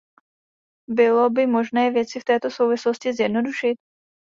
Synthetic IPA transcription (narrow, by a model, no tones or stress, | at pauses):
bɪlo̞bɪmo̞ʒnɛːvjɛt͡sɪft̪ɛːt̪o̞so̞wvɪsloscɪzjɛdno̞duʃɪt̪̚